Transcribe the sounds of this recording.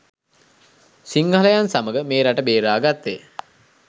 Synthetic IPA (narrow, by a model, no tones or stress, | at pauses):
siŋɡələjansaməɡəmeːɾaʈəbeːɾaːɡat̪ːe